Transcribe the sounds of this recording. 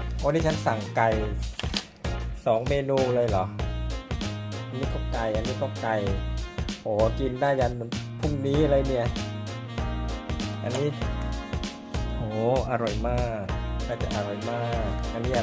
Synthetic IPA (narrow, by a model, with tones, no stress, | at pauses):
ɔː˧˥˦niː˦˥˩t͡ɕʰa˦˥nsa˨˩ŋka˧j | sɔː˩˦ŋmeː˧nuː˧lɤː˧jlɔ˨˩˦ | ʔa˧nːiː˦˥k̪ɔː˥˩ka˧jʔa˧nːiː˦˥kɔː˥˩ka˧j | ʔoː˩˦ki˧ndaː˥˩jka˧n˧pʰu˥˩ŋniː˦˥˧lɤː˧jni˧˩ɐ˩ | ʔa̰˧nːiː˦˥ | hoː˨˩˦ʔa˧ɾɔ˨˩jmaː˥˩k̚laː˧˩t͡ɕa˨˩ʔa˧ɾo˨˩jmaː˥˩k̚ʔa˧nːiː˦˥ʔa˧˨